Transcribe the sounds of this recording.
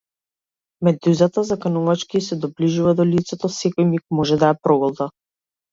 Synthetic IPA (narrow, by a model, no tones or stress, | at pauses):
mɛd̪uzat̪azakanuvat͡ʃkiːsɛd̪ɔbliʒuvad̪ɔlit̪sɛt̪ɔsɛkɔjmik̚mɔʒɛd̪aɛpɾɔɡɔlˠd̪a